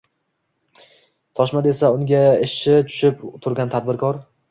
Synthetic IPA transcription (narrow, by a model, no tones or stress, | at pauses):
t̪ʰɒʃmad̪esaʊŋɡʲaeʃʃɪt͡ʃ̪ʰʊ̥ʃɪpt̪ʰʊɾɡʲant̪ʰad̪̚bɪɾkʰɒɾ